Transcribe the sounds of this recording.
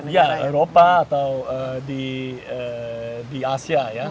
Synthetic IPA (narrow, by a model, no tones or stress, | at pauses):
jaeɾopaːt̪awədiədiasiaja